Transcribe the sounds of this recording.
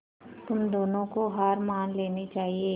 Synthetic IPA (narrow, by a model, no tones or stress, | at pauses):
t̪ʊmd̪oːnõkoɦaːɾmaːnleːnit͡ʃaːɦie